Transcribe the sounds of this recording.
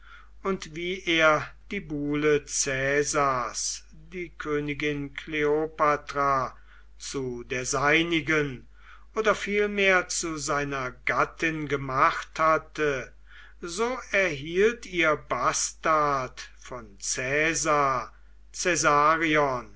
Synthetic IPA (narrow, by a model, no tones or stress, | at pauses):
ʊntv̥iːʔeːɐd̥iːbuːlət͡sɛːzas | d̥iːkʰøːnɪɡɪnkʰleopatʁa | t͡sudeːɐzaɪnɪɡən | ʔoːdɐfiːlmeːɐt͡suzaɪnɐɡatɪnɡəmaχthatə | zoːɛɐɦiːltiːɐbastatfɔnt͡sɛːzaɐ | t͡sɛzaːʁiɔn